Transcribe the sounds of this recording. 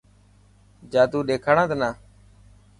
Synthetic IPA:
d͡ʒaːd̪uːɗeːkʰaːɳãːt̪ːnaː

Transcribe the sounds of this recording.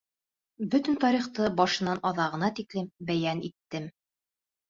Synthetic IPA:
bɵt̪ɘ̆nt̪ɒɾiχt̪ɤbɒʃɤ̆nɑnʔɒðɑʁɤ̆nɑt̪iklɘmbæjænit̪ːɘm

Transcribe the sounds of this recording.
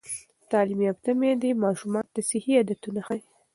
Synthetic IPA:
t̪ɑlimiap̚t̪amed̪imɑʃumɑnd̪asɪhiad̪at̪unaxaj

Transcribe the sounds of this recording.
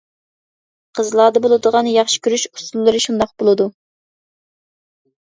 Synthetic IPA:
qʰəzlˠɑːd̪əbolˠɨd̪əʁɑnjɑχʃi̥kʲʰyɾyʃu̥sulˠːɨɾɨʃund̪ɑq̚bolˠɨd̪u

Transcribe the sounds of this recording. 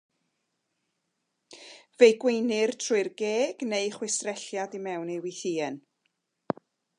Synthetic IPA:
vejɡwejnɪrtʰrʊɨrɡeːɡ̥nejχwɪsrɛɬjadimɛwnejwɪθiːɛn

